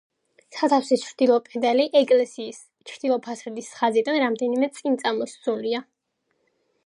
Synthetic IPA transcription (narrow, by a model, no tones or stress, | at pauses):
sat̪ʰafsist͡ʃʰɾd̪̥ilˠɔpʼɛd̪ɛliʔɛkʼlɛsiːs | t͡ʃʰɾd̪̥ilˠɔpʰasɾd̪isχazid̪anɾamd̪ɛnimɛt̪sʼqʼint̪sʼamɔst̪sʼulia